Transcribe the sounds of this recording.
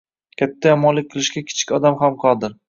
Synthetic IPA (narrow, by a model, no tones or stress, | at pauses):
kʲʰat̪ʰːajɒmɒnlɪk̚ʲqʰɨlˠɪʃkʲakʲʰɪ̥t͡ʃʰɪ̥kʲɒd̪amɦamqʰɒd̪ɪɾ